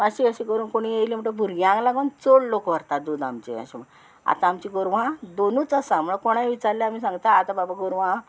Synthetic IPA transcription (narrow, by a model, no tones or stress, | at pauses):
aɕiəɕĩkəɾuːnkoɽ̃ijejlim̤əɳʈəbʱuɾɡãŋɡlaɡont͡soɽlokʋəɾt̪ad̪uːd̪amt͡ɕḛə̰ɕim̤ | a̰t̪aːmt͡ɕiɡoɾʋ̤ãd̪onuːt͡səsam̤uɭakoɽ̃ajʋit͡saɾljaamiːsãŋɡt̪aːt̪ababaɡoɾʋã